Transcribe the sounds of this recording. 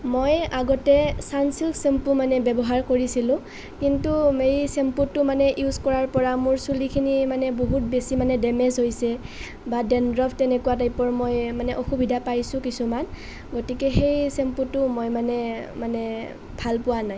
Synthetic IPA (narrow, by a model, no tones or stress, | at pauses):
mojaɡɔtɛsansilsempumanɛbɛbɔɦaɹkoɹisilʊ̃ | kintumeɹisɛmputːʊmanɛʔjuzkɔɹaɹpɔɹamʊɹsulikʰinimanɛboɦut̚besimanɛdɛmɛzɦojsɛ | badɛndɹɔptɛnɛkuwatajpɔɹmojmanɛʔoxubidʱapajsʊ̃kisuman | ɡotikɛxejsemputʊmojmanɛmanɛ | bʱalpʊwanaj